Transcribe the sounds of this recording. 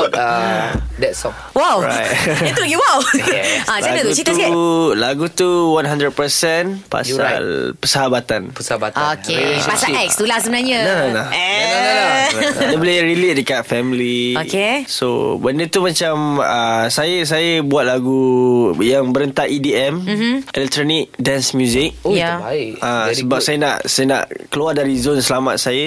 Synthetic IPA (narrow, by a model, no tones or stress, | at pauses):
dɛtsɔ̃ŋ | wawɹa̰jt̚ɛuɡiwawãt͡ʃaɡət̪ut͡ʃit̪sɛlaɡut̪uwãnɦãndɾəd̚pəsɛnpa̰a̰lpəsəɦabat̪anpəsəabat̪okepasalɛkst̪ulahsəbənaɲə̃nanala | aɛbliɾilit̚dəkat̪̚fɛmiliokeso̰bəndət̪umãt͡ʃaməsajəs̬ajəbuat̪̚laɡujaŋbəɾənt̪aʔidiɛm̩ɛlɛk̚t̪ɾonik̚dansmjũzɪk̚jaaɪʔʔasəbap̚sajəna̰ʔsajənã̰ʔkəluardaɾizonsəlama̰t̪̚sajə